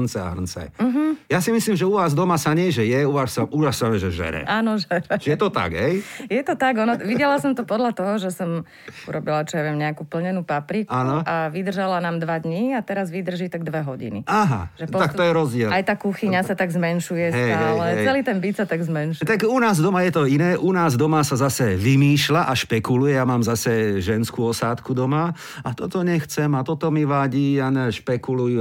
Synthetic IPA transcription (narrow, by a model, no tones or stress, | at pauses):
nt͡sɛa̰ɦrnt͡sɛ̰jm̩ɦm̩jasimisliːmʒɛuʋaːzd̪ɔmasaɲɪɛʒɛjɛuʋasaʔulassamɛʒɛʒɛ̰ɾɛ̰ʔaːnɔʒɛnɛt͡ʃjɛt̪ɔt̪a̰ɡɦɛjjɛt̪ɔt̪aɡɔnɔʋiɟɛlasɔmt̪ɔpɔd̪lat̪ɔɦɔʒɛsɔm | uɾɔbilat͡ʃɔjaʋɪɛmɲɛakupl̩ɲɛnuːpapɾikanɔaʋid̪r̩ʒalanaːmd̪ʋad̪ɲiat̪ɛɾazʋid̪r̩ʒiːt̪aɡ̚d̪ʋɛɦɔɟḭnḭaɦa̰ʒɛpɔakt̪ɔjɛɾɔzɟɪɛlajt̪aːkuxiɲasat̪aɡzmɛnʃujɛsɛt̪aːllɛt͡sɛliːt̪ɛnbisat̪aɡzmɛnʃut̪akunaːzd̪ɔmajɛt̪ɔinɛːʔunaːzd̪ɔmasazasɛʋimiːʃlaʔaʃpɛkulujɛjamaːmzasɛʒɛnskuːɔsaːt̪kud̪ɔma | at̪ɔt̪ɔɲɛxt͡sɛmat̪ɔt̪ɔmiʋaɟiːjanɛʃpɛkuluju